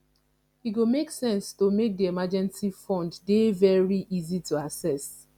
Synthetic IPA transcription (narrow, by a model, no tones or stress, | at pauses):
hiɡomeksɛ̃nstomek̚diemad͡ʒɛ̃nsifɔ̃nddevɛɹiʔizituasɛs